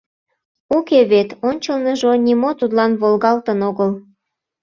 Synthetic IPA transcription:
ukeβet̪onʲt͡ɕəlnəʒonʲimot̪ud̪lɑnβolɣɑlt̪ənoɣəl

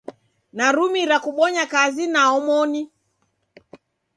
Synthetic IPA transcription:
naɾumiɾakuɓɔɲakazinaɔmɔni

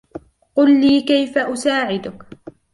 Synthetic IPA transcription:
qʊlːiːkajfaʔʊsaːʕɪd̪ʊk

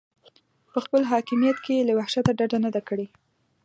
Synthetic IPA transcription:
pəxpəlɦɑkɪmijat̪kejelawahʃat̪aɖaɖanad̪akəɽe

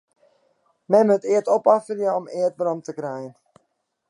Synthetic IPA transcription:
mɛmətɪərtopafəljəɔmɪət̚brɔmtəkrɛjən

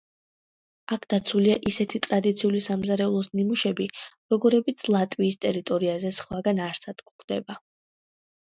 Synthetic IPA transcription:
akʰd̪̥at̪sʰuliaʔisɛt̪ʰit̪ʼɾad̪it̪sʰiulisamzaɾɛulˠɔsnimuʃɛbiɾɔɡɔɾɛbit̪sʰlˠat̪ʼwiːst̪ʼɛɾit̪ʼɔɾiazɛsχwaɡanaɾsad̪̥kχd̪̥ɛ̰ba

